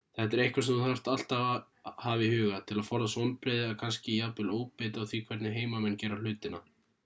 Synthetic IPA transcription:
θɛt̪ɛɾejhkvaɾsɛmunhaft̪al̥t̪a | haːvɪhʏːɣat̪ʰɪlaðfɔɾðasɔnpɾeːjðɪakʰanscɪjapɪloːwpeːt̪awθvikʰv̥ɛt̪nɪɦeːjmamɛnːcɛːɾal̥ʏːt̪ɪna

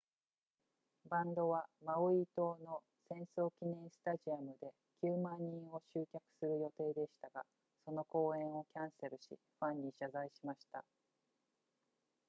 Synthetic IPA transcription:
bãnd̪o̞βamaoit̪o̞ːno̞ | sẽ̞ɰ̃so̞ːkʲinẽ̞ɰ̃sɨ̥t̪aʑiamɯ̟d̪e̞ | kʲɨːmãɲ̟ːĩɰ̃o̞ɕɨːkʲakɯ̟̥sɨɾɯ̟jo̞t̪e̞ːd̪e̞ɕi̥t̪aɡa̰ | so̞no̞ko̞ːẽ̞ɰ̃o̞kʲãɰ̃se̞ɾɯ̟ɕḭ | ɸãɲ̟ːiɕazaiɕimaɕi̥t̪a̰

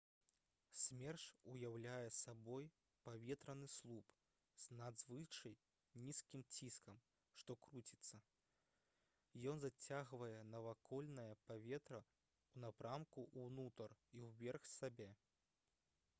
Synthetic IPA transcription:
sʲmʲɛrʂujawlʲajɛsabɔj | pavʲɛt̪ɾɐnɨslˠup | z̥nad̪zvɨt͡ʂɐj | nʲiskʲimt͡sʲiskɐm | ʂt̪ɔkɾut͡sʲit̪sːɐ | jɔnzat͡sʲaɣvɐjɛnɐvakʰɔlʲnɐjɐpavʲɛt̪ɾɐ | unapɾamkuʔuwnut̪ɐriwvʲɛrxsabʲɛ

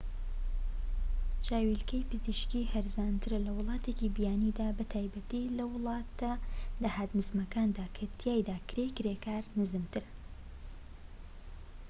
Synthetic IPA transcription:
t͡ʃaːwilkɐjpɨziʃkiːhɐɾzaːnt̪ʰɨɾɐlɐwʊlˠɑːt̪ʰecibijaːnid̪aːbɐt̪ʰaːjbɐt̪ilɐwɨlˠɑːt̪ɐdɐhaːt̪nɨzmɐkaːnd̪aːkʰɐt̪ʰijaːjd̪aːkɾekɾekaːɾnɨzɨmt̪ʰɨɾ

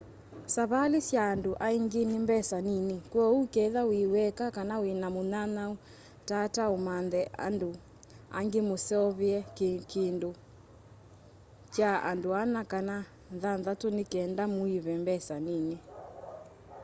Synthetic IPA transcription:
saβalesjaːndoʔaiŋɡenimbɛsaninikwɔukɛðawiwɛkakanawenamonanau | tataomanðɛʔa̰ndo | a̰ŋɡemosɔβɛɛkindo | t͡ʃaa̰ndoanakana | nðanðatonekɛndamoiβɛmbɛsanine

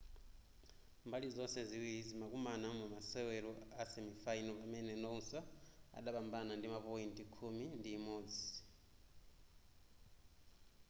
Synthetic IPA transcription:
mbalizɔsɛziwiizimakumanamumasɛwɛɾɔasɛmifainɔpamɛnɛnɔusaa̰ɗaɓambanandimapɔintʼikʰumindiːmoːd͡zi

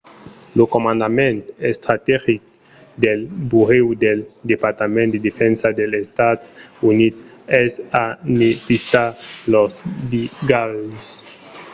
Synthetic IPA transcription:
lokomãnd̪amẽnt̪est̪ɾat̪ɛʁik̚ | d̪elbuʁewd̪eld̪epaɾt̪amẽnt̪d̪ed̪efɛnsad̪elest̪ad̪unit̪ɛsanepist̪alosbiɡals

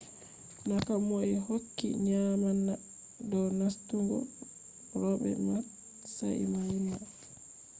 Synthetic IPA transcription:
nakamoɛhokːḭɲamanːa | dɔnastuŋɡɔ̰ | ɾɔɓɛ̰ma | sa̰ʔḭmajia

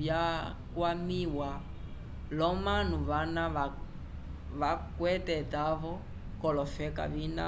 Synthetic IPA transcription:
ja | kwamiwa | lɔmanuβanaa | vakwɛtɛtavɔ | kɔlɔfɛka̰vina̰

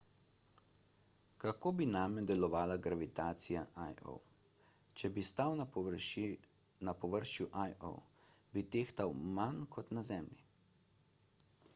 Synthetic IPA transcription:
kakoːbinaːmjɔd̪ɛlɔʋaːlaɡɾaʋit̪aːt̪sijaʔajo̰w | t͡ʃɛbist̪awn | napɔʋəɾʃjuʔajo̰wbit̪eːxt̪awmankʰɔt̪nazɛmli

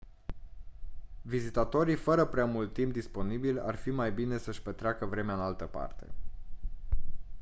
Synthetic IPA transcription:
vizit̪at̪o̞ɾifəɾəpɾeamult̪ːimp̚d̪ispo̞nibila̰rfimajbine̞səʃpet̪ɾeakəvɾe̞meaɨnalt̪əpa̰rt̪e̞̰

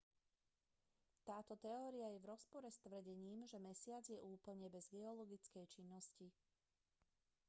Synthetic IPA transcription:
t̪aːt̪ɔt̪ɛɔːɾiajɛvɾɔspɔɾɛst̪ʋr̩ɟɛɲiːmʒɛmɛsɪad͡zjɛʔuːpl̩ɲɛbɛzɡɛɔlɔɡit͡skɛjt͡ʃinːɔsci

